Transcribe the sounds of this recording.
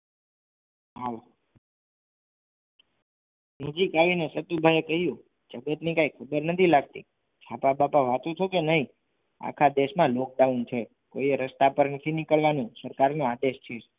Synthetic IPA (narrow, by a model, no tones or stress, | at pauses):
ɦal | nəd͡ʒikaʋinesət̪ubʱajekəɦijũ | d͡ʒəɡət̪nikãikʰəbəɾnət̪ʰilaɡ̚t̪ḭ | t͡ʃʰapabapaʋat̪ũt͡ʃʰokenəɦi | a̰kʰad̪eʃmãlok̚d̪aʋũt͡ʃʰe | koieɾəst̪apəɾnət̪ʰinikəɭʋanũsəɾkaɾnõad̪eʃt͡ʃʰe